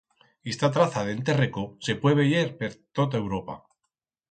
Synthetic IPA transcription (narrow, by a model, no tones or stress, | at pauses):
est̪at̪ɾaθaðent̪̬e̞rekose̞pweβeʝeɾpeɾt̪ot̪ae̞wɾo̞pa̰